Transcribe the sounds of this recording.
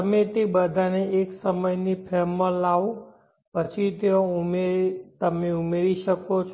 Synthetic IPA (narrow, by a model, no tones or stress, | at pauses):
əmẽt̪ebəd̪ʱaneːksəməjnipʰɛməlaʋõ | pət͡ʃʰit̪eõmet̪əmeumeɾiʃəkot͡ʃʰ